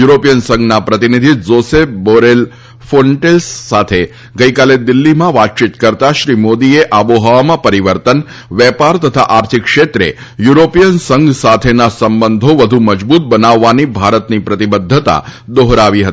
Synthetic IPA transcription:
juɾopijənsə̃ŋɡnapɾət̪inid̪ʱizosefboɾel | foɳʈelsːat̪ʰe | ɡəjkaled̪ɪlːimãʋatt͡ʃit̪kəɾt̪aʃɾimod̪ieʔaboɦaʋamãpəɾiʋəɾt̪ən | ʋɛpaɾt̪ət̪ʰa̰ʔaɾt̪ʰikːʃet̪ɾḛ | juɾopijənsəŋɡʱsat̪ʰenasəmbənd̪ʱoʋəd̪ʱuməd͡ʒbut̪̚bənaʋːanibʱaɾət̪nipɾət̪ibəd̪ʱːət̪a̰d̪oɦɾaʋiɦət̪i

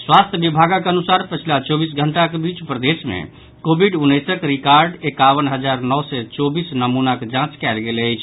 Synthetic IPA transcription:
swast̪ʰjəbibʱaɡəkeənusaɾpət͡ʃʰilat͡ʃɔbis̬ɡʱəɳʈakebit͡ʃpɾəd̪esmḛ | kobʱiɖunːəjsəkɾikaɾɖekaʋənɦəd͡ʒaɾnɔwsɛt͡ʃɔbisnəmunaked͡ʒãt͡ʃkɛɪlɡeləjt͡ʃʰ

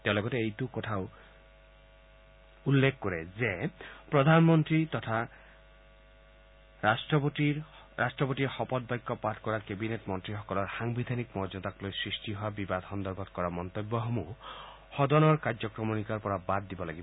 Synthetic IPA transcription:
t̪ewlɔɡɔt̪eejtukɔtʰaʊ | ulːekʰkɔɾezepɾɔd̪ʱanmɔnt̪ɾit̪ɔtʰa | asʈɔti | ɾʔasʈɹɔpɔtiɾxɔpɔt̪̚bajkːɔpatʰkɔɾaɾkebinetmɔnt̪ɾixɔkɔlɔɾxaŋbid̪ʱanikmɔd͡ʒɔt̪aklojsɹisʈiɦɔabibad̪ʱxɔnd̪ɔɾbʱɔt̪kɔɾamɔnt̪obːɔɦɔmu | hɔd̪ɔnɔɾkaɾd͡ʒɔkɾɔmunikaɾpɔɾabad̪̚ːibɔlaɡibɔ

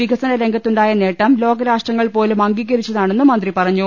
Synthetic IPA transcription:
ʋiɡɐsɐnɐɾe̞ŋɡʱɐt̪ːuɳɖaːjɐne̞ːʈːɐmlo̞ːɡɐɾaːʂʈrɐŋːɐɭpo̞ːlemɐŋɡiɣɐɾit͡ɕːɐðaːɳe̞nːumɐnd̪ripɐrɐɲːu

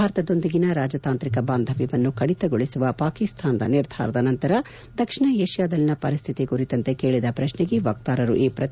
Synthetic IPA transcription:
aːɾɐt̪ɐd̪o̞nd̪iɡinɐɾaːd͡ʒɐt̪aːnt̪ɾikɐbaːnd̪ʱɐʋiʋɐnːukɐɽit̪ɐɡoɭisuʋɐpaːkist̪ʰaːnɐd̪ɐ̰niɾd̪ʱa̰ːɾɐd̪ɐnɐnt̪ɐɾɐ | d̪ɐkʂiɳɐeːʃjaːd̪ɐlinɐpɐɾist̪ʰit̪ikuɾit̪ɐnt̪e̞ke̞ːɭid̪ɐpɾɐʃneɡeʋɐk̚t̪aːɾɐɾṵʔiːpɾɐt̪

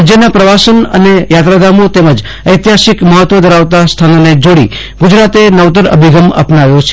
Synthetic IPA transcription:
d͡ʒjənapɾəʋasənə̰nejat̪ɾad̪amot̪eməd͡ʒ | əjt̪jaʃikməɦət̪ʋəd̪əɾaʋt̪ast̪ʰanoned͡ʒoɽḭ | ɡud͡ʒɾat̪enəʋt̪əɾə̰bʱiɡəmə̰pnaʋjot͡ʃʰ

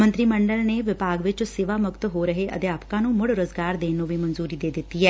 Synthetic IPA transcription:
mə̃nt̪ɾimə̃ɳɖəlneʋɪpaːɡʋɪt͡ʃseːʋamʊkt̪ɦoɾəɦeʔə̰d̪jaːpkãnũmʊɽɾəzɡaːɾd̪eːnõʋimənzuːɾid̪eːd̪ɪt̪ːiɦɛː

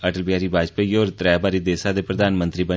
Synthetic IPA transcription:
əʈəlbɪjaːɾiːbʱaːd͡ʒpejoːɾt̪ɾɛːbaːɾiːd̪eːsaːd̪eːpɾəd̪aːnmə̃nt̪ɾiːbə

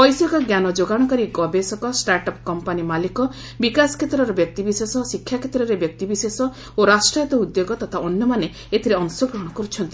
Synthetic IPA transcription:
pɔjsɔkɔɡjanɔd͡ʒoɡaɽ̃ɔkaɾiɡɔbesɔkɔsʈaɾʈɔpkɔmpanimalikɔ | bikasɔ̥kʰet̪ɾɔɾɔbjɔk̚t̪ibisesɔsikʰjakʰet̪ɾɔɾebjɔk̚t̪ibisesɔ | oɾasʈɾɔjɔt̪ɔud̪joɡɔt̪at̪ʰaɔnjɔmane | et̪ʰiɾeɔnusɔɡɾɔɦɔɽ̃ɔkɔɾut͡ʃʰɔnt̪i̥

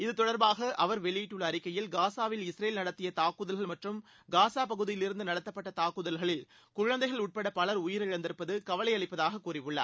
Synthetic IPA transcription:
ɪðɯt̪ɔɽɐɾbaːɣɐʔɐʋɐɾʋɛɭɪiːʈːɯɭːɐːɾɪkːɐjɪlɡaːsaːʋɪlɪsɾeːlnɐɽɐt̪ːɪjɐt̪aːkɯðɐlɣɐɭmɐʈrɯm | ɡaːsaːpɐɣɯðɪjɪlɪɾɯnd̪ɯnɐɽɐt̪ːɐpːɐʈːɐt̪aːkɯðɐlɣɐɭɪl | kʊɻɐnd̪ɐɪɣɐɭʊʈ̚pɐɽɐpɐlɐɾʊjɪɾɪɻɐnd̪ɪɾɯpːɐðɯkɐʋɐlɐɪɐɭɪpːɐðaːɣɐkːuːrɪʋɯɭːɐ̰

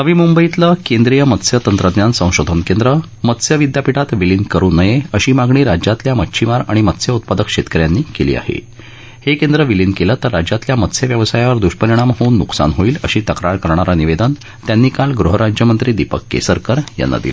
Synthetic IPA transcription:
nəʋiːmumbəit̪ləkend̪ɾijəmət̪sjət̪ənt̪ɾəd̪njansə̃w̃ɕod̪ʱənkend̪ɾə | mət̪sjəʋid̪japiʈat̪ʋilinkəɾuːnːəjeəɕiːmaɡɳiːɾad͡ʑat̪ljaməːɕʰimaɾa̰ɽ̃imət̪sjəut̪̚pad̪əkɕet̪kəɾjanːiːkelḭːa̰hḛ | hekend̪ɾəʋilinkelət̪əɾːad͡ʑjat̪ljamət̪sjəʋjəʋsajaʋəɾd̪uɕpəɾiɽ̃amɦouːnːuksa̰nɦoiːlə̰ɕiːt̪əkɾaɾkəɾɳ̃aɾaniʋed̪ən | t̪janːiːkalɡɾuɦəɾad͡ʑjəmənt̪ɾiːd̪ipəkːḛsəɾkəɾja̰nːa̰d̪ḭlə

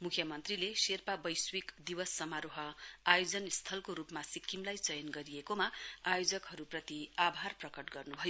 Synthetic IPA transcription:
mukʰjʌmʌnt̪rileserpabʌjswikd̪iwʌsːʌmaɾoɦʌajod͡zʌnst̪ʰʌlkoɾupmasikːimlajt͡sʌjʌnɡʌɾijekomaajod͡zʌkɦʌɾuprʌt̪iabʱarprʌkʌʈɡʌrnubʱʌjo

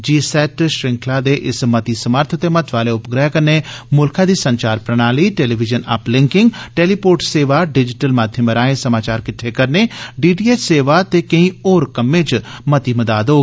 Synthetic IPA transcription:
d͡ʒiːsɛːʈʃɾɪ̃ŋkʰlaːd̪eːʔɪsmət̪iːsəməɾt̪ʰt̪eːmət̪ʰʋaːleːʊpɡɾɛːkəɾneːmʊlkʰãːd̪iːsəɲt͡ʃaːɾpɾəñaːliːʈeːliːʋɪd͡ʒənɐ̰plɪ̃ŋkɪŋɡʈeːliːpoːʈseːʋaːɖɪd͡ʒɪʈəlmaːd̪ʱjəməɾaːẽːsəmaːt͡ʃaːɾkɪʈʰːeːkəɾneːɖiːɖiːeːt͡ʃseːʋaːt̪eːkəĩːoːɾkəmːẽːt͡ʃmət̪iːməd̪aːd̪oː

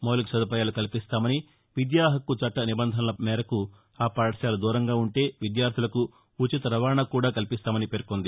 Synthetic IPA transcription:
moːliksɐd̪ɐpɐjaːlukɐlipist̪aːmɐni | ʋid̪jaːɦɐkːut͡ʃɐʈːɐnibɐnd̪ʱɐnɐlɐmɛːɾɐku | aːpaːʈɐʃaːlud̪uːɾɐŋɡaːuɳʈe̞ːʋid̪jaːɾt̪ʰilɐku | ut͡ʃit̪ɐɾɐʋaːɾɳakuːɽaːkɐlipist̪aːmɐnipeːɾkond̪i

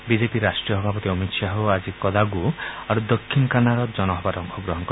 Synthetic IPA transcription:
bid͡ʒepiɾasʈɾiɔɦbʱabɔt̪iɔmit̪ʃaɦoad͡ʒikɔd̪aɡuaɾud̪ɔkʰːinɔkanaɾɔd͡ʒɔnɔɦɔbaɾɔŋkʰɔɡɾɔɦɔŋɔkɔɾ

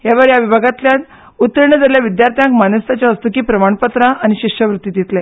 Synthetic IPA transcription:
ɦjaʋəɾjaʋibʱaɡat̪ljat̪ | ut̪ːɾəɾɳəd͡zaljaʋid̪jaɾt̪ʰjãŋkmanəst̪at͡ɕaəst̪ukiːpɾəmaɳpət̪ɾaːñiɕiɕjəʋɾut̪ːid̪it̪lɛ

